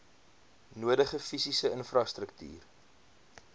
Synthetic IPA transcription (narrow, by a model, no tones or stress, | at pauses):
nuədəχəfisisəənfrɑstrəkty̰ːr